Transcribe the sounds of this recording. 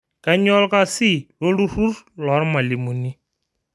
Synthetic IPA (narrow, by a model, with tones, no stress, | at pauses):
ka˨ɲɔ˦lka˦sɪ˦˨lo˦lu˦ru˦rlɔ˨˦ɾma˨li˨mu˨ni˦